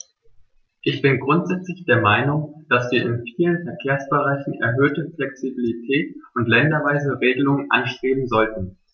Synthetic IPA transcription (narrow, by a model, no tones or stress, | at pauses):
ʔɪçb̥ɪnɡʁʊntz̥ɛt͡slɪçd̥eːɐmaɪnʊŋd̥asv̥iːɐʔɪnfiːlənfɛɐkʰeːɐsb̥əʁaɪçn̩ɛ̰ɐɦøːtəflɛksibilitʰɛːtʊntlɛndɐvaɪzəʁeːɡəlʊŋənʔa̰nʃtʁ̥eːbm̩zɔltn̩